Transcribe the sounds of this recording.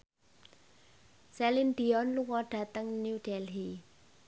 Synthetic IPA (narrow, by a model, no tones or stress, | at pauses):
sɛlind̪̥i̤ɔnluŋɔɖ̥ä̤t̪əŋnuud̥ɛlɦi